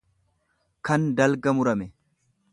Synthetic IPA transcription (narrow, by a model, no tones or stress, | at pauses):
kɐnd̪ɐlɡɐmʊɾɐmɛ